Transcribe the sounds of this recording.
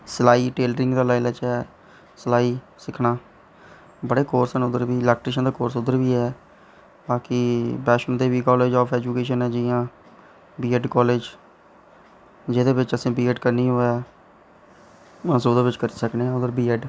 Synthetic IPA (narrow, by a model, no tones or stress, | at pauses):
səlaːiːʈeːlɾɪ̃ŋɡd̪aːlaːɪləːt͡ʃɦɛː | səlaːiː | sɪkʰnaː | bəɽeːkoːɾsəːnʊd̪əɾbiːɪlɛːk̚ʈɾiʃ̬ə̃nd̪aːkoːɾsʊd̪əɾbiːɦɛː | baːkiːbɛːʃənd̪eːʋiːkɔːleːd͡ʒɔːpʰɛːd͡ʒuːkeːʃənɛːd͡ʒɪːãː | biːɛɖkɔːleːd͡ʒ | d͡ʒɪd̪eːbɪt͡ʃəsĩːbiːɛːɖkəɾniːɦoːaː | soːd̪eːbɪt͡ʃkəɾiːsəknẽːãːʊd̪əɾbiːɛɖ